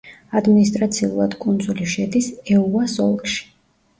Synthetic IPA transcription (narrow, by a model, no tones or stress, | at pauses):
ad̪minist̪ʼɾat̪sʰiṵlˠa̰d̪̥kʼund̪zuliʃɛd̪isɛuasɔlˠkʼʃi̥